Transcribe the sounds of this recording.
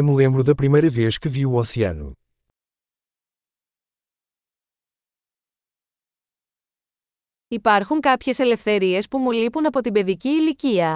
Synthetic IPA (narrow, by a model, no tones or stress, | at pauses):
mɨlẽmbɾuðɐpɾimɐjɾɐveʃkɨviwuosiɐ̰nṵ | ipɐɾxuŋkɐpçe̞se̞le̞fθe̞ɾie̞spumulipunɐpo̞t̪ibe̞ðiciːliciɐ